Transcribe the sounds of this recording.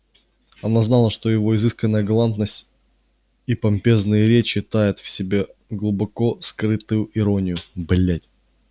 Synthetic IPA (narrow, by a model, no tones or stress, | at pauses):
ɐnaznalˠəʂt̪o̞jɪvoɪzɨskənːəjəɡɐlˠant̪̚nəsʲtʲ | ipɐmʲpʲe̞znɨjəɾʲet͡ɕɪt̪ajɪt̪fsʲɪbʲe̞ɡlˠʊbɐko̞skɾɨt̪ʊjʊʔɪɾo̞nʲɪjʊblʲætʲ